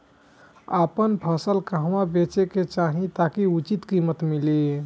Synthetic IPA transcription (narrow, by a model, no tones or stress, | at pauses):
əpənpʰəsəlkəɦʋabet͡ʃeket͡ʃaɦĩt̪akiut͡ʃit̪kimət̪mili